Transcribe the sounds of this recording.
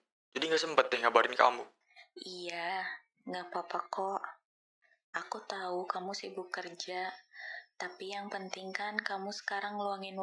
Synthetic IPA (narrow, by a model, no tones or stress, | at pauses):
d͡ʒadiŋɡasəmpət̪ɛŋɡabaɾɪnka̰mu | ija | ŋɡapapakɔʔ | akut̪aukamusibukərd͡ʒa | t̪apijaŋpənt̪iŋkankamusə̥kaɾaŋluaŋɪn